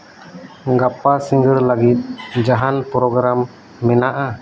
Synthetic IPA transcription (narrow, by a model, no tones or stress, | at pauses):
ɡapasiŋɡəɾlaɡit̪̚ˀd͡ʒaɦanpɾɔɡɾamː | ɛnaʔa